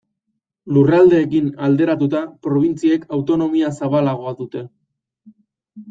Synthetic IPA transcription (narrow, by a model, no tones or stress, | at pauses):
lurald̪e̞ːkinald̪e̞ɾat̪ut̪apɾo̞β̞int͡siekawt̪o̞no̞miasaβalaɣ̞o̞aðut̪e̞